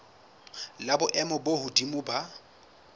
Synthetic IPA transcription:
labʊʔɛmɔbohʊdimʊːba

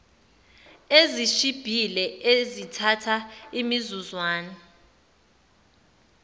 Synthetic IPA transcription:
eziʃib̥ʱilɛezitʰatʰaimizuzwaːnɔ

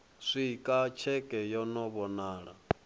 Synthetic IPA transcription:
ʂʷikʼat͡ʃʰɛkʼɛjɔnɔβɔnaːɺa̰

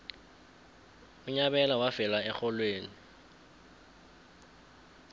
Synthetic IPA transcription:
ʊɲabɛlawafɛlaɛxɔlweːni

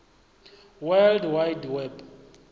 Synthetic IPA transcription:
wɛldwajdwɛb

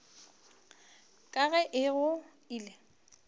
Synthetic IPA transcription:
kʼaɣɛʔɪɣʊ | iːle

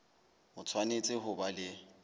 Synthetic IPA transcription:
mʊt͡sʰwanet͡sʼɪɦʊbalɪ

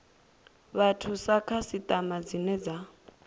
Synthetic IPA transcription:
βatʰusakʰasit̪ʼamad͡zinɛd͡za

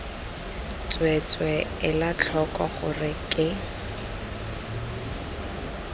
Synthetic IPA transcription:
t͡swet͡swɛɪlat͡ɬʰɔkʼɔχʊrɪkʼɪ

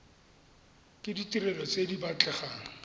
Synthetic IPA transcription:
kʼɪditirɛlɔt͡sedibat͡ɬʼɛχaːŋ̩

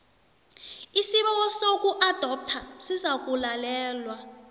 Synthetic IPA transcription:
isiɓɔwɔsokʼuʔad̥ʱɔp̚tʰasizak̬ʼulalɛːlwa

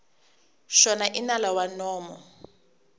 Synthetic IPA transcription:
ʃɔnaʔinalawanɔːmɔ̰

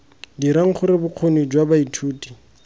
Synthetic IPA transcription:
diɾaŋ̩χʊɾɪbʊq͡χʰonid͡ʒwabaitʰuːtʼi̥

